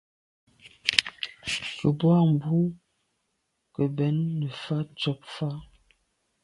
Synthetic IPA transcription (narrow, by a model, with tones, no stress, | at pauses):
kə˨bwa˦˨m̩˨bu˦ | kə˨bɛ˨˦nːə˨fa˦t͡ʃɔ˦p̚fa˦